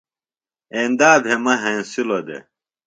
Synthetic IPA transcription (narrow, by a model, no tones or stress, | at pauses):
ẽːnd̪aːbʱemɐɦẽːsilod̪ḛ